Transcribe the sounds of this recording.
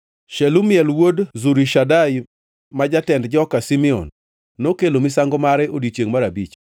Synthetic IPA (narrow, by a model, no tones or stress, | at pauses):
ʃɛlumɪɛlwodzuɾiʃadaj | mad͡ʒatɛndd͡ʒɔkasimiɔ̰nː | okelomisaŋɡɔmaɾɛodit͡ʃjeŋmaɾabit͡ʃ